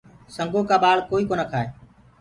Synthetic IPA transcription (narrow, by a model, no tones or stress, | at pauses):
səŋɡoːkaːɓaːɭkoːiːkoːnəkʰaːeː